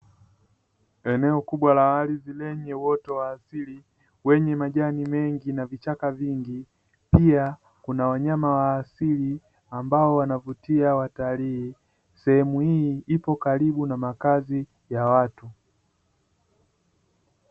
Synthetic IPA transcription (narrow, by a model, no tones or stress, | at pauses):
ɛnɛɔkuɓwalawalizilɛɲɛwɔtɔwaːsili | wɛɲɛmaʄanimɛŋɡinavit͡ʃakaviŋɡi | pia | kunawaɲamawaːsili | ambaɔwanavutiawatalii | sɛhɛmuhiipɔkaɾiɓunamakazi | jawatu